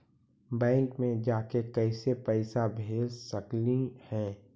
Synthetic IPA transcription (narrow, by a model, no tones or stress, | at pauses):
bɛ̃ːŋkmẽd͡ʒaːkekɐɪsepɛɪsabʱeːd͡ʒsəklihɛ̃ː